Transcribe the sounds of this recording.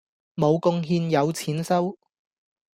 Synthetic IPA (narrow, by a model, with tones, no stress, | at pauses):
mo˨˧wkʊ˧ŋɦiː˧njɐ˨˧wt͡sʰiː˨˥nsɐ˥w